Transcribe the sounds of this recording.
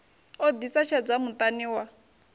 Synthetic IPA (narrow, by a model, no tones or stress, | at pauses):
od̪isat͡ʃʰad͡zamʊtʼaniwa